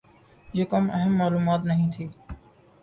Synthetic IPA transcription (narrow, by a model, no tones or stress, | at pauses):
d͡ʑoːkɐmʔɐɦəmːaːluːmaːt̪nɐɦĩːt̪ʰiː